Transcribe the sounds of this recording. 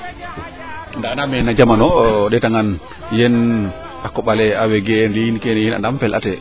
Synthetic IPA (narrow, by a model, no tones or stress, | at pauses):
ndanamɛnad͡ʒamanɔɗɛtaŋan | jɛn | akːɔɓalɛawɛɡɛɛnliinkɛnɛjɛna̰namfɛlʔa̰tɛ